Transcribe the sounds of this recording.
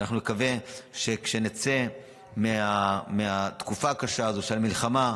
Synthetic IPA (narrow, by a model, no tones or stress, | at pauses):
naχnunekave̞ʃe̞kʃe̞net͡se | meameat̪kufaːkaʃaːzo̞ʃalmilχama